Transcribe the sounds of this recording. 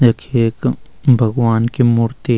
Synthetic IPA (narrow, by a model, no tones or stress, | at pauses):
ɐkʰeːk | bʱɐɡwaːnkemʊɾt̪i